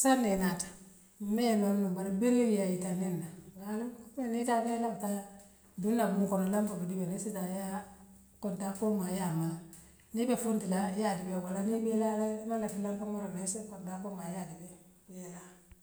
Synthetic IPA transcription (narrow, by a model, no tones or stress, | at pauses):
sanːenatḁ | mejemoɾnubaɾabeɾewijajitanenːaɡalmenitabelabta | dunːabuŋkonolambabidibenisitaja | kontafomajama | nibefuntilajadibewalanibelalmaŋatilambamoɾamesekondambomajadibe | ela